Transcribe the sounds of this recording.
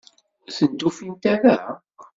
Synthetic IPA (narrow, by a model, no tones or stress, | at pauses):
sənt̪ufint̪æɾa